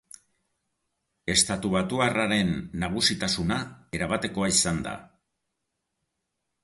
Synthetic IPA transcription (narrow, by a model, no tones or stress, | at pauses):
e̞st̪at̪uβat̪uaraɾe̞nːaɣ̞usit̪asunae̞ɾaβat̪e̞ko̞aisand̪a̰